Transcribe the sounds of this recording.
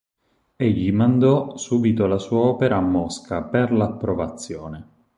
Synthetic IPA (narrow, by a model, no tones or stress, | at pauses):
eʎːimand̪ɔsuːbit̪olasuːaɔːpeɾaːmːɔskaperlapːɾovat̪sːjɔːne